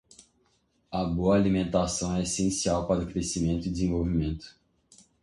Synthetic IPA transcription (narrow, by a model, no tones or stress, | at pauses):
ɐboɐːlimẽnt̪asɐ̃w̃ɛesẽsiawpaɾʊkɾesimẽnt̪ʊid̪ɪzẽvowvimẽnt̪ʊ̥